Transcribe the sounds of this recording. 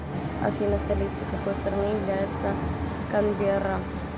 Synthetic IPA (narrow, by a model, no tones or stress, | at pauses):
ɐ̰fʲinəst̪ɐlʲit̪sɨkɐkojst̪əɾɐnɨjɪvlʲæjɪt̪sə | kɐnvʲeɾa